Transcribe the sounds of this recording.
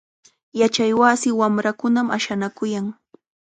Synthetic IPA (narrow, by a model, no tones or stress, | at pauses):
jat͡ʃajwasɪwamɾakʊnamaʃanakʊjaŋ